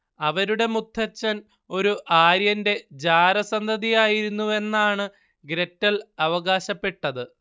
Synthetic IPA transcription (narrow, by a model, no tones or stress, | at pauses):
ɐʋɐɾuɽe̞mut̪ʰːɐt͡ɕːɐn | o̞ɾuʔaːɾjɐnde̞d͡ʑaːɾɐsɐnd̪ʱɐðijaːjiɾunːue̞nːaːɳɨ | ɡɾetːɐlɐʋɐɣaːɕɐpːe̞ʈːɐðɨ